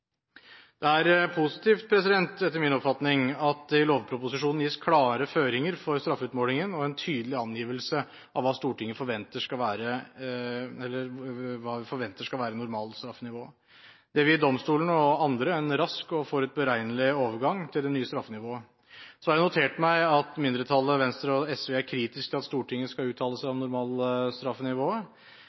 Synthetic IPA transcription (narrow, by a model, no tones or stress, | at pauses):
d̪̥ɛæɾpʰʊsɪ̥t̪ʰiːft̪̚pʰɾɛsɪd̪ɛnt̪ɛt̪ːəɾmɪnɔpfɑt̪nɪŋɑt̪̚d̪ɛɪloːʋpʰɾʊpʊsɪʂuːnn̩jiːskʰlɑːɾəføːɾɪŋəɾfɔɾst̪ɾɑfʉːt̪moːlɪŋənɔɛnt̪ʰyːd̪əlɪɑnjiːʋəlsə | ʔɑʋɑːst̪uːʈʰɪŋːəfɔɾʋɛnt̪əʂkɑlʋæːɾə | ɛlːəɾʋɑːʋɪfɔɾʋɛnt̪əʂkɑlʋæːɾənːʊɾmɑːlst̪ɾɑfːənɪʋoː | d̪̥ɛʋɪd̪ɔmst̪uːlənɔɑnd̪ɾəɛnɾɑskɔfɔɾʉt̪̚bəɾæɪnəlɪoːʋəɾɡɑŋt̪ʰɪld̪ɛnyːəst̪ɾɑfənɪʋoːə | sɔhɑjæɪnʊt̪ʰeːʈmæɪɑt̪mɪnd̪ɾət̪ʰɑlːəʋɛnst̪ɾəɔɛsʋeːæɾkʰɾiːt̪ɪskt̪ʰɪlɑt̪st̪uːʈʰɪŋːəskɑlʉːt̪ʰɑːləsæɪɑʋnʊɾmɑːlst̪ɾɑfənɪʋoːə